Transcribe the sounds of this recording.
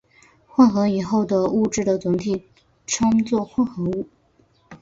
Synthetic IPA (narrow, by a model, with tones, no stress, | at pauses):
xwa˥˧nxɤ˧˥i˨˩xo˥˩ʊd̪ə˩u˥˧ʈ͡ʂɻ̩˥˩d̪ə˩t͡sʊ˧˥ŋt̪ʰi˨˩˦ | ʈ͡ʂʰɑ˥ŋt͡swɔ˥˧xwa˥˩nxɤ˧˥u˥˩